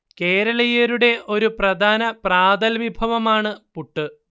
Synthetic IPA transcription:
ke̞ːɾɐɭɐjeɾuɽe̞ʔo̞ɾuprɐd̪ʱaːnɐpraːd̪ɐlʋibʱɐʋɐmaːɳɨpuʈːɨ

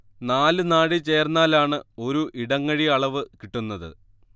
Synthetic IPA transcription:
naːlɨnaːɽit͡ɕe̞ːrnːaːlaːɳɨo̞ɾuʔiɽɐŋːɐɻiɐɭɐʋɨkiʈːunːɐðɨ̰

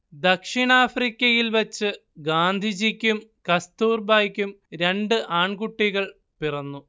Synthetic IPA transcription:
d̪ɐkʂiɳaːfrikʲːɐjilʋɐt͡ɕːɨ | ɡaːnd̪ʱid͡ʑikʲːumkɐst̪uːrbaːjkʲːumɾe̞ɳɖɨʔaːɳkuʈːiɣɐɭ | pirɐnːu

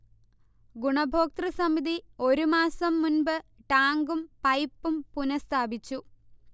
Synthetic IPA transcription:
ɡuɳɐbʱoːk̚t̪rɐsɐmid̪io̞ɾumaːsɐmːunbɨʈaːŋɡumpɐjpːumpunɐst̪ʰaːbit͡ɕːu

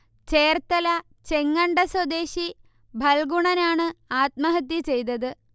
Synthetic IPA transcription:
t͡ɕe̞ːrt̪ɐlɐ | t͡ɕe̞ŋːɐɳɖɐswɐd̪e̞ːɕi | bʱɐlɡuɳɐnaːɳɨaːt̪̚mɐɦɐt̪̬ːjit͡ɕe̞jt̪ɐðɨ

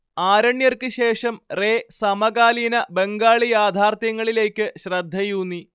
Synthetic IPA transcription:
aːɾɐɳjɐrkɨɕe̞ːʂɐmre̞ːsɐmɐɡaːlinɐbe̞ŋɡaːɭijaːd̪ʱaːrt̪jɐŋːɐɭile̞ːkʲːɨɕrɐd̪ʱːɐjuːnːi

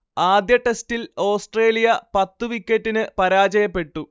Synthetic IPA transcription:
aːd̪jɐʈe̞stilo̞ːsʈre̞ːlijɐpɐt̪ːuʋikʲːetːinɨpɐɾaːd͡ʑɐjɐpːe̞ʈːu

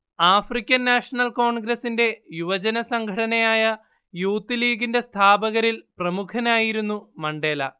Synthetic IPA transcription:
aːfrikʲːɐnːaːʂɐɳɐlko̞ːɳɡɾɐsinde̞juʋɐd͡ʑɐnɐsɐŋɡʰʱɐɽɐnɐjaːjɐ | juːt̪ːiliːɡinde̞st̪ʰaːbɐɣɐɾilprɐmukʰɐnaːjiɾunːumɐɳɖe̞ːlɐ̰

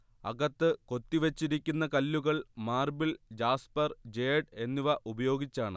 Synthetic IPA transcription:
ɐ̰ɣɐt̪ːɨko̞t̪ːiʋet͡ɕːiɾikʲːunːɐkɐlːuɣɐɭmaːrbild͡ʑaːspɐrd͡ʑe̞ːɖe̞nːuʋɐʔubɐjo̞ːɡit͡ɕːaːɳɨ̰

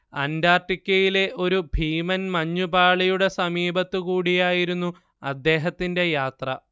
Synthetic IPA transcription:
ɐndaːrʈːikʲːɐjile̞ʔo̞ɾubʱiːmɐnmɐɲːubaːɭijuɽe̞sɐmiːbɐt̪ːɨkuːɽijaːjiɾunːu | ɐd̪ːe̞ːɦɐt̪ːinde̞jaːt̪rɐ̰

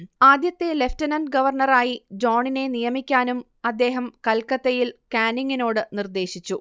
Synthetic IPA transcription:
aːd̪jɐt̪ːe̞le̞ftɐnɐnɖɡɐʋɐrɳɐraːjid͡ʑoːɳine̞nijɐmikʲːaːnum | ɐd̪ːe̞ːɦɐmkɐlkːɐt̪ːɐjilkaːniŋːino̞ːɽɨnird̪e̞ːɕit͡ɕːu

